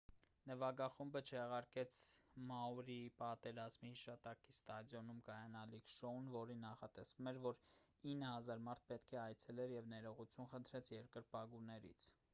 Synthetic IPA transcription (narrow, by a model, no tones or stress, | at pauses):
nəvɑɡɑχumbət͡ʃʰɛʁɑɾkɛt͡sʰmɑuɾipɑt̪ɛɾɑzmihiʃɑt̪ɑkist̪ɑd̪jɔnumkɑjɑnɑlikʰʃɔunvɔɾinːɑχɑt̪ɛsvumɛɾvɔɾ | inːəhɑzɑɾmɑɾt̪̚ʰpɛt̪kʰɛɑjt͡sʰɛlɛɾjɛvnɛɾɔʁut͡sʰjunχənt̪ʰɾɛt͡sʰjɛɾkəɾpɑɡunɛɾḭt͡sʰ